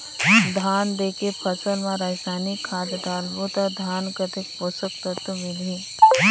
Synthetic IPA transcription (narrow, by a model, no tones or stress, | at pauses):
d̪ʱaːnd̪eːkepʰɐsəlmãɾasaːnikʰːaːd̪ʈ̪aːlbot̪ad̪ʱaːnkət̪ek̚posək̚t̪ət̪ːomɪli